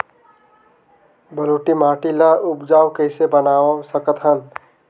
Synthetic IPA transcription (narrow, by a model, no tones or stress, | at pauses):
bəluʈimaːʈilaʔupd͡ʒaːwkəɪsebənaːsəkət̪ɦən